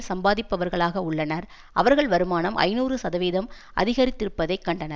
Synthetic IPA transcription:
sɐmbaːðɪpːɐʋɐɾɣɐɭaːɣɐʊɭːɐnɐɾ | ʔɐ̰ʋɐɾɣɐɭʋɐɾɯmaːnɐmʔɐ̰ɪnuːrɯsɐðɐʋeːðɐm | ʔɐ̰ðɪɣɐɾɪt̪ːɪɾɯpːɐðɐɪkːɐɳɖɐnɐɾ

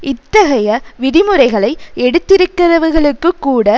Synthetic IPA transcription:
ʔɪt̪ːɐɣɐjɐʋɪɽɪmɯɾɐɪɣɐɭɐɪɛɽɯt̪ːɪɾɯkːɪɾɐʋɐɾɣɐɭɯkːɯkːuːɽɐ

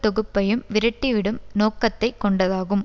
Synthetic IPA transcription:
t̪ːɔɣɯpːɐjɯmʋɪɾɐʈːiʋɪɽɯmnoːkːɐt̪ːɐɪkːɔɳɖɐðaːɣɯm

